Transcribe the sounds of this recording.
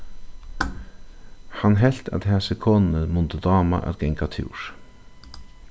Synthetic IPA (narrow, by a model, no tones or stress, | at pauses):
hanɦɛl̥t̪æ̰t̪ɦɛːsəkʰoːnnəmʊnt̪əd̪ɑːma̰ʔæ̰t̪ɡɛŋkat̪ʰɪ̰wɾ